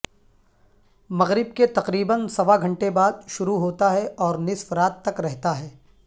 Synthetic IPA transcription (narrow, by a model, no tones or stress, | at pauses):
mɐɣɾɪb̚ket̪ɐqɾiːbənsɐʋaɡʱɐ̃ɳʈebaːd̪ʃʊɾuɦoːt̪aɦɛʔɔːɾnɪsfɾaːt̪ːɐkɾɛɦt̪aɦɛː